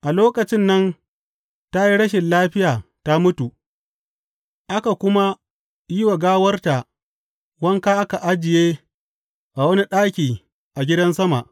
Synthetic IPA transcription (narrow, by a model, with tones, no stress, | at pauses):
ʔa˨loː˦kɐ˨t͡ʃɪ˦nːɐ˦n | ta˦ji˦ɽɐ˦ʃ̬ɪ˨nlaː˦ɸɪ˦jaː˨ta˦mʊ˦tu˨ | ʔa˦ka˨kʷʊ˦ma˦ | ji˦wɐ˨ɡaː˦wɐ˦rta˨ʔ | wɐ˦ŋka˦ʔa˦ka˨ʔa˦d͡ʒɪ˨jeː˦ | ʔa˨wɐ˦ni˦ɗaː˦kʲiː˨ | ʔa˨ɡʲɪ˦dɐ˦nsɐ˦ma̰˨ʔ